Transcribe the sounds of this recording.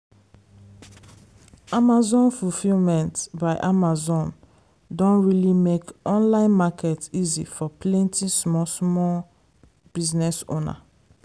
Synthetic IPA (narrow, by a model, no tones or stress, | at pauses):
amazɔ̃nfufilmɛ̃ntbaɪʔamazɔ̃n | dɔ̃nɹilimekʔɔ̃nlãɪ̃nmakɛtizḭfɔplẽntĩsmɔsmɔl | b̥iznɛso̰na̰